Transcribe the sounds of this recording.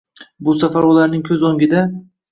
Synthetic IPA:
bʊsafaɾwɒlaɾnɪŋkʲʰɵzoŋɡʲɪd̪a

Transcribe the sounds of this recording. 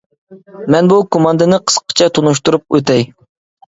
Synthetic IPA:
mɛnbukʰomɑnd̪ɨnɨqʰə̥sqə̥t͡ʃʰɛt̪ʰunuʃ̬t̪uɾup̚wʔø̰t̪ɛj

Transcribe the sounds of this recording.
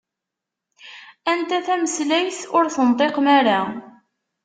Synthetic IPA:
ænt̪æθæməslæjθʊɾθənt̪ˤeqmæɾa

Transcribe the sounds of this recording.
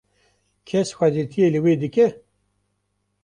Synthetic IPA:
kʰɛsxʷɛd̪et̪ʰijeːlɨweːd̪ɨkɛ

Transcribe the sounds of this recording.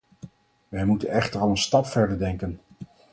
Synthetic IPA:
ʋɛjmutənɛχtəɹɑlˠənstɑpfɛɹdəɹdɛŋkən

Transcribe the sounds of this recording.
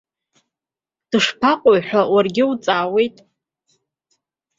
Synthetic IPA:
d̥ɨʂpʰaqʼojħʷawarɡʲɪut͡sʼaːwe̞jtʼ

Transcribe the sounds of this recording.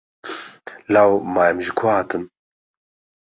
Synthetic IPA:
lawmaːjɛmʒikʰahaːt̪ʰɨn

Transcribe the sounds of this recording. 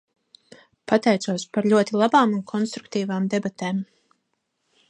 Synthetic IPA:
pat̪ɛjt̪suɔspaɾʎʲuɔt̪ilˠabaːmunkʰɔnst̪ɾuk̚t̪iːvaːmd̪ebat̪eːm

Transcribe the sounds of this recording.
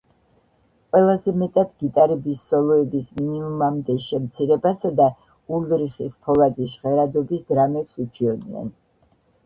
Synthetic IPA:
qʼwɛlˠazɛmɛt̪ʼat̪ɡit̪ʼaɾɛbisːɔlˠɔɛbisminiumamd̪ɛʃɛmt̪sʰiɾɛbasad̪a | uɾlɾiχispʰɔlˠad̪isʁɛɾad̪ɔbisd̪ɾamɛpsut͡ʃʰiɔd̪iɛ̰n

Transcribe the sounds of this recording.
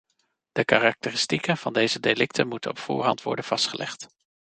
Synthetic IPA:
d̥əkaːrɑk̚tərɪstikənv̥ɑndejzədelɪk̚tʰənmutənɔpfʊ̰ːɹɦɑntʋɔ̰ɹdənv̥ɑstχəlɛ̰χt

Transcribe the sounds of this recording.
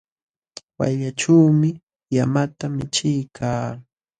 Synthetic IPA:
wa̰jʎaʈ͡ʂawmɪ | jamat̪amɪt͡ʃɪjkʰaː

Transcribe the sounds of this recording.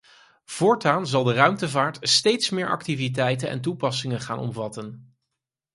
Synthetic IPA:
v̥ʊːɹtaːnzɑlˠdərœɥmtəvaːɹtstejtsmɪːɹʔɑ̰k̚tivit̬ɛjtənɛ̰ntupɑsɪŋənχaːnɔ̰mvɑtən

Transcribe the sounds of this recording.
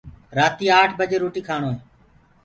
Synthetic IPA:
ɾaːt̪iːaːʈʰbəd͡ʒeːɾoːʈiːkʰaːɳ̃oːɦeː

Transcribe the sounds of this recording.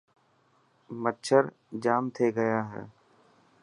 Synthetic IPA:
mətːt͡ʃʰəɾ | d͡ʒaːmt̪ʰeːɡəjaːɦɛ̰ː

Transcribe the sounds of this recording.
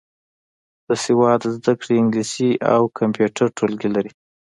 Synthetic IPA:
d̪̥əsewɑd̪zd̪akɽeɪŋɡlisia̰wkʰampjuʈʰaɾʈʰolɡilaɾi

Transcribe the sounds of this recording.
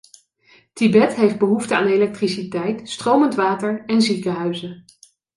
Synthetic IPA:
tibɛtɦejfd̚bəɦuftəa̰ːnelɛk̚trisitɛjtstrowməntʋaːtəɹɛnzikəɦœɥzə

